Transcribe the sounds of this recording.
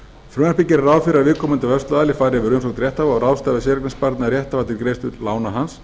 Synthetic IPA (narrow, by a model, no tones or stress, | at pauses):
fɾœːnaɾpicɪɾaɾawfɪɾavɪːkʰɔːmʏnt̪avœst̪aðalɪfaːɾɪavɪɾʏms̬ɔwkt̪ɾjɛht̪avaɔɾawst̪aːvɪs̬ɛɾɛknɛŋspaɾt̪naɾjɛht̪avat̪ʰɪlkɾeːjst̪ʏlaːwnaɦans